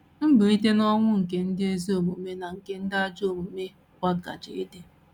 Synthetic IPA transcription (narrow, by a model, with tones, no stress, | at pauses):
m̩˦bʊ˨ɾi˦te˦nɔ˦ŋʷʊ˦ŋ̩˨ke˨n̩˦dɪ˦e˦zi˦o˨mu˨me˦na˨ŋ̩˨ke˨n̩˦dɪ˦a˦d͡ʒo˨mu˨me˦ | kʷa˦ɡa̰˨d͡ʒḭ˨i˦de˦